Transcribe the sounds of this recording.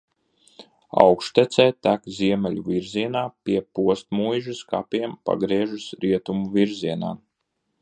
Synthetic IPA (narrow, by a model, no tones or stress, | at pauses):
a̰wkʃt̪ɛt̪sɛːt̪ækziɛmɛlʲuviɾziɛnaːpʲiɛpuɔst̪̚mujʒɨska̰pʲiɛmpa̰ɡɾiɛʒusɾiɛt̪umuviɾziɛna̰ː